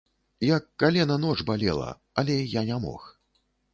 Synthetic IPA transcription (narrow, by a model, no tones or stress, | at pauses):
jakːalʲɛnɐnɔt͡ʂbalʲɛ̰lˠɐ̰ | ɐlʲɛjanʲamɔ̰x